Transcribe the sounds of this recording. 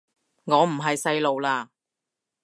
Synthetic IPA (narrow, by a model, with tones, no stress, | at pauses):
ŋɔː˨˧m̩˨˩ɦɐ˨jsɐ˧jlo˨wlaː˧